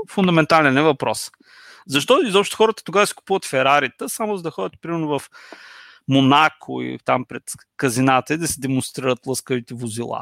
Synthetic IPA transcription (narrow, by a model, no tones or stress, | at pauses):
fʊnd̪ɐmɛnt̪alɛnɛvɐpɾɔs | zɐʃt̪ɔizɔpʃt̪o̥xɔɾət̪ə̥t̪oɡavəsi̥ku̥puvət̪fɛɾaɾit̪əsamʊzɐd̪ɐxɔd̪ʲət̪̚pɾimɛɾnʊvɐf | monakʰʊ̰ḭt̪ampɾɛt̪ | kɐzinat̪əid̪ɐsɛd̪ɛmʊnst̪ɾiɾət̪lˠəskəvit̪ɛvʊzilˠa̰